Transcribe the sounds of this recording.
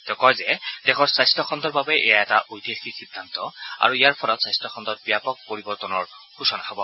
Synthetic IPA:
t̪ɛkɔjzɛd̥ɛxʰɔɹsajstɔxʰɔnd̪ɔɹbabɛʔɛ̰jaɛtaʔojt̪iexisid̪ʱːant̪ɔa̰ɹuijaɹpʰɔlɔtsajstɔkʰɔnd̪ɔt̚bijapɔk̚poɹibɔɹt̪ɔnɔɹ | xusɔnaabɔ

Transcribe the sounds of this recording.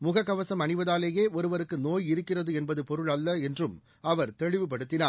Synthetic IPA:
mʊɣɐkːɐʋɐsɐmɐɳɪʋɐðaːleːjeːɔɾɯʋɐɾɯkːɯnoːjɪɾɯkːɪrɐðɯɛnbɐðɯpɔɾɯɭɐlːɐɛndrɯm | ɐʋɐɾt̪ɛɻɪʋɯp̬ɐɽɯt̪ːɪnaː

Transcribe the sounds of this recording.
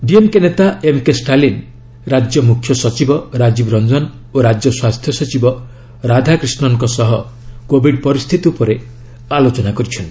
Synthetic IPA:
ɖiemkenet̪aʔemkesʈalin | ɾad͡ʒjɔmukʰːjɔsɔt͡ʃibɔɾad͡ʒibɾɔnd͡ʒɔn | oɾad͡ʒjɔswast̪ʰjɔsɔt͡ʃibɔ | ɾad̪ʱakɾisnɔŋkɔsɔɦɔ | kobʱiɖpɔɾist̪ʰit̪iupɔɾe | alot͡ʃɔnakɔɾit͡ʃʰɔn

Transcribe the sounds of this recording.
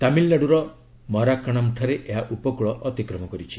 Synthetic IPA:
t̪amilnaɽuɾɔ | mɔɾakaɽ̃amuʈʰaɾeʔeɦaʔupɔkuɭɔʔɔt̪ikɾɔmɔkɔɾit͡ʃʰi̥

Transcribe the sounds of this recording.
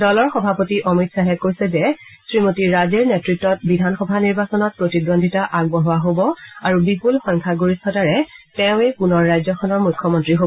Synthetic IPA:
dɔlɔɹxɔbʱapotiʔɔmitsaɦɛkojsɛzɛsɹimotiɹazeɹnetɹitːɔt̚bidʱanxɔbʱaniɹbasɔnɔt̚pɹotidondʱitaʔaɡbɔɦʊwaɦobɔaɹubipulxɔ̃jŋkʰaɡoɹisɔdaɹɛtɛʊ̃epunɔɹːajzɔkʰɔnɔɹmukʰːɔmɔntɹiɦoɔ

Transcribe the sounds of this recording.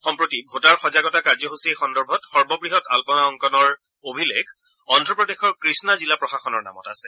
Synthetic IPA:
xɔmpɹotibʱotaɹxɔzaɡɔtakaɹzɔɦusiexɔndɔɹbʱɔtxɔɹbɔbɹiɦɔta̰lpɔnaɔŋkɔnɔɹ | obʱileɡʰʱ | ɔndɹɔpɹɔdexɔɹkɹisnazilapɹɔxaxɔnɔɹna̰mɔ̰ta̰sɛ̥

